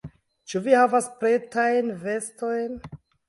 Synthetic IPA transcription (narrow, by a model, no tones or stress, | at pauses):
t͡ʃuvihavaspɾetajnve̞sto̞jn